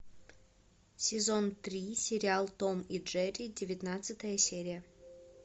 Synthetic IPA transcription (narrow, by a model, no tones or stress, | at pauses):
sʲɪzont̪ɾʲisʲɪɾʲɪalˠt̪omiʐɛɾʲidʲɪvʲɪt̪nat̪sɨt̪əjəsʲeɾʲɪjə